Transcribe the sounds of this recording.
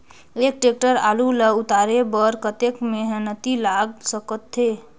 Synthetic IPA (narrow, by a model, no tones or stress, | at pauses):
ek̚ʈek̚ʈəɾaluləut̪aɾebəɾkət̪ekmeɦənət̪ilaɡ̚səkət̪ʰːe